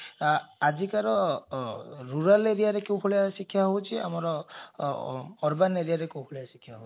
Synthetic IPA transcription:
ad͡ʒikaɾɔ | ɾuɾaleɾijaɾekewpʰoɭijasikʰːjaɦowt͡ʃʰia̰mɔɾɔ | ɔɾbaneɾijaɾekew̃pʰoɭijasi̥kʰːjaɦowʰi

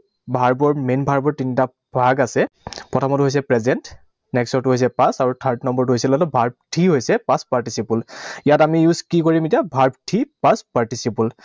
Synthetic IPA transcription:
bʱaɹbɔɹmenbʱaɹbɔɹtinita | bʱaɡasɛpɹɔtʰɔmɔtʊɦojs̬ɛpɹɛzɛnt | nɛksɔtuɦojs̬ɛpãsaɹutʰaɹtnɔmbɔɹtuɦojsɛlɔlɔbʱaɹb̚tʰiɦojsɛpãspaɹtisipulijatamijuzkikoɹimetijabʱaɹbtʰipãspaɹtisipul

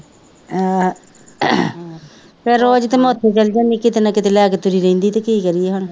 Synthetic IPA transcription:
a | peːɾoːd͡ʒt̪eːmoːt̪ʰːeːt͡ʃəld͡ʒaːniːkɪt̪eːnãːkɪt̪eːlɛːkeːt̪ʊɾiːɾeĩnd̪iːt̪eːkiːkəɾieːɦəɳ

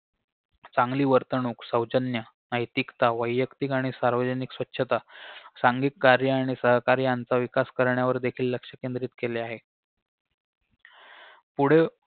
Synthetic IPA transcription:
t͡saŋɡliːʋəɾt̪ənuːksəwd͡ʑənjə | nəjt̪ikt̪aʋəjːəkt̪ikaɽ̃isaɾʋəd͡ʑəniksʋətːɕʰət̪asaŋɡiːkkːaɾjəaɽ̃isəɦkaɾjãnt͡saʋikaskəɾɳjaʋəɾd̪ekʰiːlːəkʂəkend̪ɾiːt̪keleaɦe | puɽ̤e

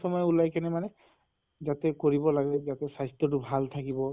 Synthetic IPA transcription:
sɔmɔjɛulajkɛnɛmanɛ | zatɛkoɹibɔlaɡɛzatɛsajstɔt̬ʊbʱalt̪ʰakibɔ

